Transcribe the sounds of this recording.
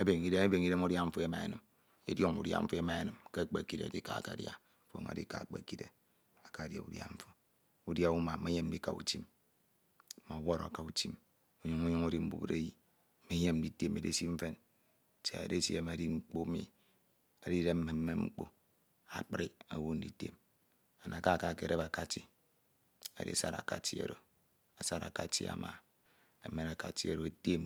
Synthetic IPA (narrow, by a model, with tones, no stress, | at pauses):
e˦be˨ŋi˦de˦me˦be˨ŋi˦de˦mu˦dja˦ɱ̩˦fo˦e˦ma̰˨ḛ˨nɨ˨m | ḛ˦djo˦ŋṵ˨dja̰˦ɱ̩˦fo˦e˦ma˨e˨nɨ˨mke˦˨k͡pe˨ki˦ɾḛ˨a̰˨di˦ka̰˨a̰˨ka̰˨dja̰˨˦ | fo̰˦˨ŋa̰˨dḭ˦ka̰˨k͡pḛ˨ki˦dḛ˨ | a˨ka˨dja̰˨ṵ˦dja̰˨ɱ̩˦fo˦ | u˦dja˦u˦ma˨˦me˦ɲe˦m̩˦di˦ka̰˨ṵ˦ti˦m˦ | ma˨o˨wo˦ɾa̰˨ka˨u˦ti˦m | o˦ɲu˦ŋu˦ɲu˦ŋu˦di˦m̩˦bṵ˦bṵ˦ɾe˦ji˦ | me˦ɲe˦mn̩˦di˦te˦me˨dḛ˦si˦ɱ̩˦fe˦n | tḛ˨a̰˨de˦sḭ˦a˨ma˨di˦ŋ͡m̩˦k͡po˦mḭ˦ | a˨di˦de˦m̩˦me˨m̩˦me˦ŋ͡m̩˦k͡po̰˦ | a̰˨k͡pɾi˦a̰˨wo˦n̩˦di˦tḛ˦m | a˨nʔa˨ka˦˨ka˦˨ke˨ɾe˦ba˨ka˦ti˦ | a̰˨dḭ˦˨sa̰˦ɾa̰˨ka̰˨ti˦ḛ˨ɾo˨ | a˨sa˦ɾa̰˨ka˦tḭ˦a̰˨ma̰˨ | e˨me˦na˨ka˨ti˦a˨ɾo˨e˨te˦m